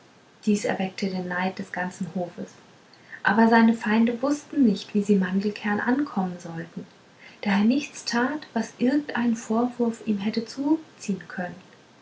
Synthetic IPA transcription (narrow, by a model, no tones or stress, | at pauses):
d̥iːsɛ̰ɐvɛk̚tʰədeːnːaɪt̚d̥ɛsɡ̥ant͡sn̩hoːfəs | ʔaːbɐzaɪnəfaɪndəvʊstn̩nɪçtv̥iːziːmandl̩kʰɛɐnʔa̰nkʰɔmənzɔltn̩ | d̥aːeːɐnɪçt͡stʰaːtv̥asʔɪɐɡŋ̩tʔaɪnənfoːɐvʊɐfʔiːmɦɛtət͡suːt͡siːənkʰœnən